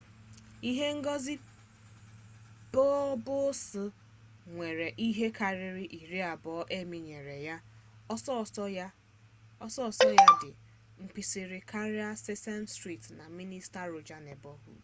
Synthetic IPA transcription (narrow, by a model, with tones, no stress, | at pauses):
i˦ɦe˦ŋ̩˦ɡɔ˦zi˦ | b̥ɔ˦bʊ˦sʊ˦ | ŋʷe˨ɾe˨ʔi˦ɦe˦ka˨ɾɪ˦ɾɪ˦ʔi˨ɾi˦a˨bɔ˨˦ʔe˦mi˨ɲe˨ɾe˨ja˦ | ɔ˦sɔ˦˨sɔ˦ja˦dɪ˨ | ŋ͡m̩˨k͡pi˨sɪ˨ɾɪ˨kʰa˦ɾi˦a˦se˦sɛ˦nstɾi˦˨tna˨mi˦ni˦sta˦ɾo˨d͡ʒa˨ne˨bɔ˦ɦṵ˦